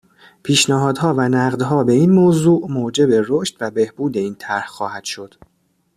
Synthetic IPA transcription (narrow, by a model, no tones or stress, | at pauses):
pʰiːʃnæɦɒːd̪ɦɒːvænæɢd̪ɦɒːbe̞iːnmoːzuːʔmoːd͡ʒe̞beɾoʃt̪væbe̞hb̥uːd̪e̞iːnt̪ʰæɾhxɒːhæd̪̥ʃo̞d̪̥